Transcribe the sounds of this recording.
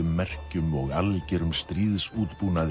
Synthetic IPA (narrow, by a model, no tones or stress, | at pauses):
ʏmːɛr̥cʏmɔɣalcɛɾʏmst̪ɾiːðsuːt̪puːnað